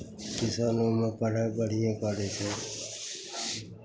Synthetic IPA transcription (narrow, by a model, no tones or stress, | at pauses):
kɪsaːnõːmẽːpəɽ̤ẽːbəɽ̤ɪjẽːkəɽeːseː